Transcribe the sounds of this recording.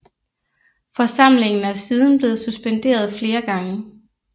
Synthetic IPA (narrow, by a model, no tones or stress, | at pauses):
fɒ̽sɑ̈m̰le̝ŋn̩æɐsiːð̞ˠn̩b̥le̝ːð̞̩ˠsusb̥end̥e̝̰ːɐð̞ˠfle̝ːɐɡ̥ɑ̈ŋə